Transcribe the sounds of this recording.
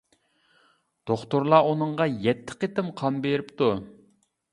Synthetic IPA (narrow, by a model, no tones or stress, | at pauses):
d̪̥oχt̪uɾlˠɑʔunɨɴʁɑjɛt̪ʰːɪ̥qet̪ɪmqʰɑmbeɾɪpt̪u